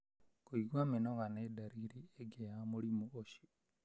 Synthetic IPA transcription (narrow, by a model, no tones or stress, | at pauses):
koiɡwamenoɣanedaɾiɾieɡeamolimooʃi̥